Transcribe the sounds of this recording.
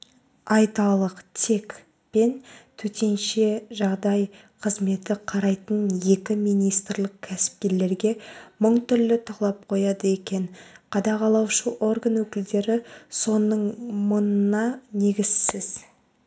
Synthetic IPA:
ɑjt̪ɑlˠəqt̪ʰe̞k | pe̞nt̪ʰɵt̪e̞nʃe̞ʒɑʁd̪ɑj | qʰəzme̞t̪ɪqʰɑɾɑjt̪ənje̞kʲɪmijnijst̪rlˠəq̚kʲʰæsɪ̥p̚kʲe̞ɾle̞ɾɡʲe̞məɴt̪ʏɾlɪt̪ʰɑlˠɑp̚qʰo̞jɑd̪əe̞kʲe̞nqʰɑd̪ɑʁɑlˠɑwʃəʔo̞rɡanwɵkʲɪld̪e̞ɾɪso̞nəɴmənənɑne̞ɡʲɪzsɪz

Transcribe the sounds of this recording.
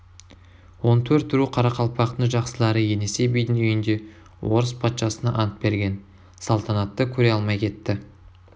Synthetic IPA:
wo̞nt̪ʰɵɾt̪ːɾuqʰɑɾɑqʰɑlˠpɑqt̪əɴʒɑqsəlˠɑɾəje̞ne̞se̞bijd̪ɪnʏjɪnd̪e̞ | wo̞ɾəspʰɑt̪ʃɑsənɑ̰ʔɑnət̪̚be̞ɾɡʲe̞n | sɑlˠt̪ʰɑnɑt̪ːəkʲʰɵɾe̞jɑlˠmɑjkʲʰe̞t̪ːɪ

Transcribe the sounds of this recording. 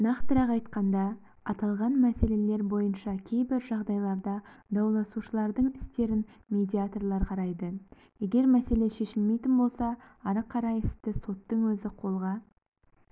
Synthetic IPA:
nɑqt̪əɾɑqɑjt̪qɑnd̪ɑ | ɑt̪ɑlˠʁɑnmæse̞le̞le̞ɾbo̞jənʃɑkʲʰe̞jbɪɾʒɑʁd̪ɑjlˠɑɾd̪ɑd̪ɑwlˠɑsuʃəlˠɑɾd̪əɴɪst̪e̞ɾɪnmʲe̞d̪ʲiat̪orlˠɑɾqʰɑɾɑjd̪ə | jeɡʲe̞ɾmæse̞le̞ʃe̞ʃɪlme̞jt̪ɪnbo̞lˠsɑ | ɑɾəqʰːɑɾɑjɪst̪ɪso̞t̪ːəɴwɵzɪqʰo̞lˠʁɑ

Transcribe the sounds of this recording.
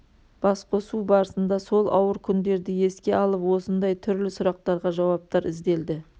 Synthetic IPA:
b̥ɑsqʰosubɑɾəsənd̪ɑso̞lˠʔɑ̰wəɾkʲʰʏnd̪e̞ɾd̪ɪje̞skʲe̞ɑlˠəpwo̞sənd̪ɑjt̪ʰʏɾlɪsʊɾɑq̚t̪ɑɾʁɑʒɑwɑp̚t̪ɑɾɪzd̪e̞ld̪ɪ

